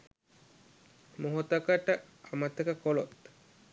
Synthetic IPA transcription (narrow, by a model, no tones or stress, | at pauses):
moɦot̪əkəʈə | amət̪əkəkolot̪